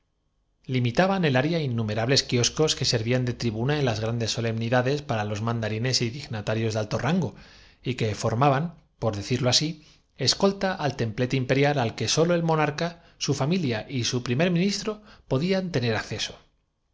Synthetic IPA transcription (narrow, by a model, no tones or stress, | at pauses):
limit̪aβane̞laɾjainːume̞ɾaβle̞skio̞sko̞ske̞se̞ɾβiand̪e̞t̪ɾiβunaenlazɣɾand̪e̞sːo̞le̞mniðaðe̞spaɾalo̞zmãnd̪aɾine̞siðiɣnat̪aɾjo̞zðalt̪o̞raŋɡo̞ | ike̞fo̞ɾmaβan | po̞ɾðe̞θiɾloasi | e̞sko̞lt̪aʔalt̪e̞mple̞t̪oimpe̞ɾjalalke̞so̞lo̞e̞lmo̞naɾka | sufamiljaʔisupɾime̞ɾmĩnist̪ɾo̞po̞ðiant̪e̞ne̞ɾakθe̞so̞̥